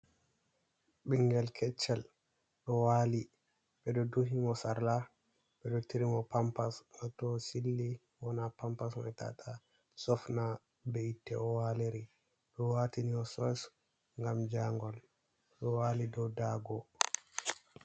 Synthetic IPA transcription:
ɓiŋɡɛlkʰɛt͡ʃːɛl | ɗɔwaːli | ɓɛɗɔduɦimɔsaɾla | ɓɛɗɔtiɾimɔpampasnɔtɔsilːi | wɔnapampasmɔ̰ɛta̰tʰa | sɔfna | bɛitːɛɔwaliɾi | ɗɔwatiniɔsɔs | ŋɡamd͡ʒaŋɡɔl | ɗɔwaːlidɔwdaɡɔ

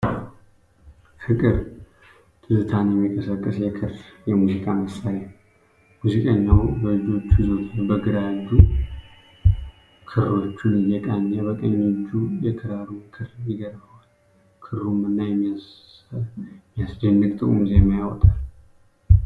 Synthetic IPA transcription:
fɨkʼɨɾ | t̪ʰɨzɨt̪ʰanjɛmːikʼəsəkʼːɨsjɛkʰɨɾfjɛmuzikʼaməsːaɾa | muzikʼəɲːawbəlɨd͡ʒo̞t͡ʃːuizo̞t̪ʰɨnbəɡɨɾad̪u | kʰɨrːo̞t͡ʃːunɪjɛkʼaɲːabəkʼəɲːid͡ʒujɛkʰɨɾaɾumkʰɨɾjɛɡəɾbəwal | kʰɨɾːumɨnːajɛmːias | mijasd͡ʒənːɨkt̪ʼɨkʼumzemajawɔt̪ʼal

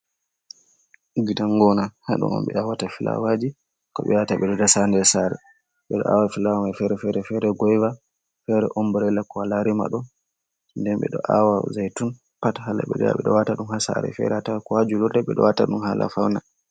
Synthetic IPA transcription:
ɡidaŋɡɔnahaɗṵnɔ̰mɓɛawatafilʔa̰wad͡ʒi | kɔɓɛ̰wataɓɛdɔdasandɛsaɾɛ̰ | ɓɛɗɔ̰ʔa̰wafilawamafɛɾɛfɛɾɛfɛɾɛɡɔjva | fɛɾɛʔɔmbɔɾɛlːakɔwalaɾima̰ɗɔn | ndɛnɓɛ̰ɗɔʔawazajtun | patahala̰ɓɛdɛja̰ɓɛɗɔwataɗumhasa̰ɾɛ̰fɛ̰ɾɛhatawkɔhad͡ʒudɔdɛɓɛɗɔwataɗumhalʔa̰fawna

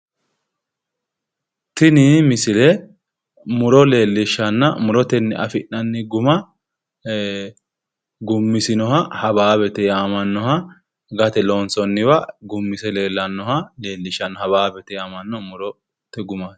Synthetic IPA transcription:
t̪ɪnɪmɪsɪlɛ | mʊɾɔle̞ːlːɪʃːɐnːɐmʊɾɔt̪ɛnːɛʔɐ̰fɪnːɐnːɪɡʊmɐ | ɡʊmːɪsɪnɔhɐhɐbaːbɛt̪ɛjaːmɐnːɔhɐ | ɡɐt̪ɛlonsɔnːɪbɐɡʊmːɪsɛle̞ːlːɐnːɔhɐle̞ːlːɪʃːɐnːɐhɐbaːbɛt̪ɛjaːmɐnːɔmʊɾɔ | t̪ɛɡʊmas

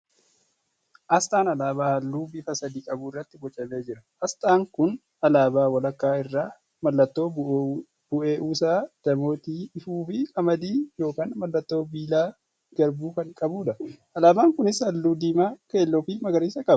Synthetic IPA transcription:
ʔɐst̪ʼaːnɐlaːbaːhɐlːuːbɪfɐsɐd̪iːkʼɐbʊɪrːɐt̪ːɪɡɔt͡ʃʼːɐme̞ːd͡ʒɪɾɐ | ɐst̪ʼaːŋkʊn | ɐlaːbaːwɐlɐkːaːɪrːaː | mɐlːɐt̪ːo̞ː | b̥ʊʔe̞ːʔuːsaːd̪̥ɐmo̞ːt̪iːɪfuːfɪkɐmɐd̪iːjo̞ːkaːnmɐlːɐt̪ːo̞ːbiːlaː | ɡ̥ɐɾbuːkɐŋkʼɐbuːᶑɐɐlaːbaːŋkʊnɪshɐlːuːd̪iːmaːkeːlːoːfiːmɐɡɐɾiːsɐkʼɐbɐ

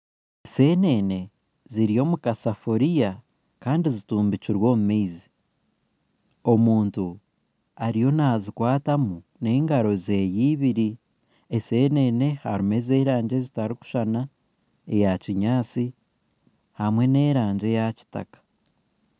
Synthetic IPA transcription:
se̞ne̞ne̞ | ziɾijo̞ːmukasafo̞ɾija | kaːndizituːmbiciɾwo̞ːmumeizi | o̞muːntu | aɾijo̞nazikwaːtamu | ne̞ːŋɡaɾo̞ze̞ːjiːβiɾi | ese̞ne̞ne̞ha̰ɾime̞ze̞ːɾaːɲɟe̞zitaɾiku̥ʃana | ejaciɲaːt͡si | hamwe̞ne̞ːɾaːɲɟe̞jaci̥ta̰kḁ

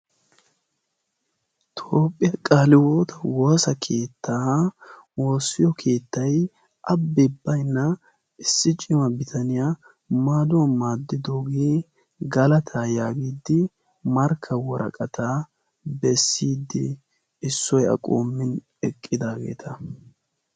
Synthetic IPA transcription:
t̪ʰoːpʼːɪjɐkʼaːlɪwoːt̪ɐwoːsɐkʰe̞ːt̪ʰːaː | wo̞ːsːɪjɔkʰe̞ːt̪ːɐj | ʔɐbːɪbːɐjnːɐ | ɪsːɪt͡ʃʼːɪmɐbɪt̪ʰɐnɪja | maːd̪ʊwɐmaːd̪ːɪd̪oːɡeː | ɡɐlɐt̪ʰaːjaːɡiːd̪ːɪ | mɐɾkʰːɐwɔɾɐ̰kʼɐt̪ʰaː | bɛsːiːd̪ːɪ | ɪsːɔjɐ̰kʼo̰ːmːɪn | ɛkʼːɪd̪aːɡe̞̰ːt̪ʰɐ

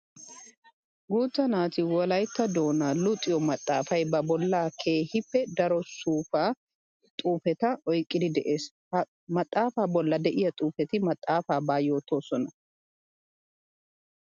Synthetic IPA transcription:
ɡuːt͡sːɐnaːt̪ɪwɔlɐjt̪ːɐd̪o̞ːnaːlʊt̪ʼːɪjɔmɐt̪ʼːaːfɐjbɐbɔlːaːkʰe̞ːhɪpːɛd̪ɐɾɔsuːfaː | t̪ʼuːfɛt̪ɐɔjkʼːɪd̪ɪd̪ɛʔe̞ːs | hɐ | mɐt̪ʼːaːfaːbɔlːɐd̪ɛʔɪjɐt̪ʼuːfɛt̪ɪmɐt̪ʼːaːfaːbaːjoːt̪oːsɔnɐ

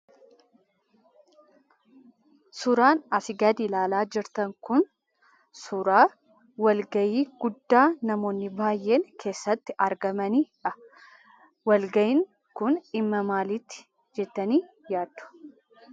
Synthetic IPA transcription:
sʊɾaːnɐfɪɡɐd̪ilaːlaːd͡ʒɪɾt̪ɐŋkʊn | sʊɾaː | wɐlɡɐjiːɡ̥ʊd̪ːaːnɐmo̞ːnːɪbaːjːe̞ːŋkʰe̞ːsːɐt̪ːɪʔɐɾɡɐmɐniːᶑɐ | wɐlɡɐjɪŋ | kʊnɪmːɐmaːlit̪ːɪ̥ | d͡ʒɛt̪ːɐniː | jaːd̪ʊ̥

